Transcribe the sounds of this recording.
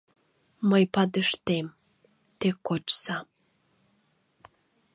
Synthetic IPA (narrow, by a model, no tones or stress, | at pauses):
məjpɑd̪əʃt̪em | t̪ekot͡ʃsɑ